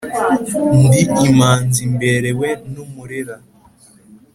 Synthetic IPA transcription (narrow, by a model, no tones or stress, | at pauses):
ndiimaːnzimbeɾewenumuɾeɾa